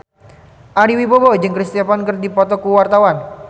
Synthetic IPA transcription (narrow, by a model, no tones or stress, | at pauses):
ʔaɾiwibobɔd͡ʒɨŋkɾist̪iapankɨrdipɔt̪ɔkuwart̪awan